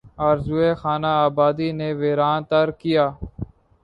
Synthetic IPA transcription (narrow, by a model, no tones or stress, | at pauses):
aːɾzuːeːxaːnaːaːbaːd̪iːneːʋeːɾaːnt̪əɾkɪjaː